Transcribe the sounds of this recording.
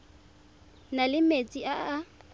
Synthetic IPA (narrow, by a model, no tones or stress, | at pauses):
nalɪmet͡sʼiaː